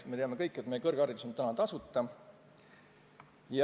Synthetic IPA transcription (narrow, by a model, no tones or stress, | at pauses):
me̞eɑme̞kɤjkːˑe̞t̪mejekɤrɡ̥ɑrit̪usont̪ænɑnt̪ɑsut̪ːˑɑ | jɑ